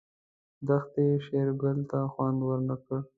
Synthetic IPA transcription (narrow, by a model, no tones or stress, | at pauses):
d̪axt̪eʃeɾɡəlt̪axwand̪wəɾnakəɽ